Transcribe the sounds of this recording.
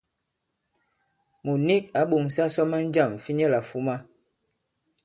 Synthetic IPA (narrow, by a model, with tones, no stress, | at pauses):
mu˨ni˦k̚a˨˦ɓo˨ŋ˨sa˦sɔ˦ma˦n̩˦d͡ʒa˦˨m˨fi˦ɲɛ˦la˨fu˦ma˦